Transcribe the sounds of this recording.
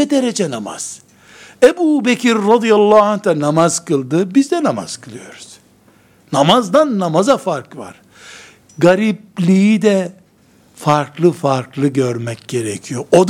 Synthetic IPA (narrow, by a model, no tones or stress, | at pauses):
ɛd̪eɾed͡ʒɛnama̰z̥ | ebuːbecʰiɾːɑd̪ijalˠːaːant̪anamaz̥kɯlˠd̪ɯbizd̪ɛnama̰z̥kʰɯlˠɯjo̞ɾuz̥ | namazd̪anːamazafaɾkva̰ɾ̥ | ɡaɾip̚lʲijid̪ɛ | faɾklˠɯfaɾklˠɯɟøɾmɛcɟe̞ɾɛcʰijoʔod̪